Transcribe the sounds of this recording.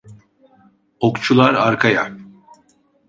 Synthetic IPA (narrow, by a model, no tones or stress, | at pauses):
okt͡ʃʰulˠaɾaɾkʰaja